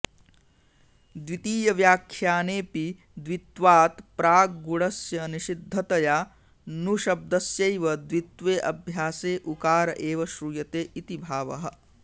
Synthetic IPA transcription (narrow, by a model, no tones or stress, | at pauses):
d̪ʋit̪iːjɐʋjaːkʰjaːneːpi | d̪ʋit̪ʋaːt̪pɾaːɡɡuɽɐsjɐniʃid̪ʱːɐt̪ɐjaː | nuʃɐb̚d̪ɐsjɐjʋɐd̪ʋit̪ʋeːʔɐbʱjaːseːʔukaːɾɐʔeːʋɐʃɾuːjɐt̪eːʔit̪ibʱaːʋɐɦɐ̆